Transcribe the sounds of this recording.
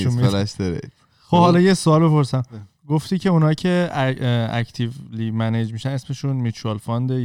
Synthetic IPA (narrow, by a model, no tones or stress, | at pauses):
umilæʃd̪ɒɾḛ | xobhɒlɒjesoɒːlbe̞po̞ɾsæm | ɡoft̪iːcʰe̞unɒcʰe̞ | æ̰ct̪ʰivlimæned͡ʒmiːʃæne̞sme̞ʃunmit͡ʃuɒlfɒnd̪e